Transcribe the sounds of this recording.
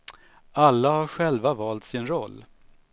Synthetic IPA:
alːahaɾɧɛlvavɑːlt̪sɪnɾɔlː

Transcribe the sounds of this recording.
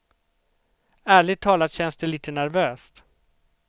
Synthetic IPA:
æːɭɪɡ̚t̪ʰːɑːlat̪ɕɛnsd̪ɛliːt̪ənæɾvøːst̪

